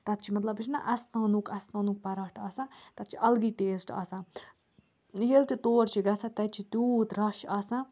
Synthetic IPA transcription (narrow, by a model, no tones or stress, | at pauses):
t̪ɐt̪̚t͡ʃʰimɐt̪lɐbɨʃʰnɐ̰ʔɐsnaːnukɐsnãːnuk̚pɐɾɐʈʰaːsãːt̪ɐt̪̚t͡ʃʰiʔɐlɡiːʈeːsʈa̰ːsãː | jelt̪it̪oːɾt͡ʃʰiɡɐsat̪ɐt͡ʃʰit̪uːt̪ɾɐʃaːsãː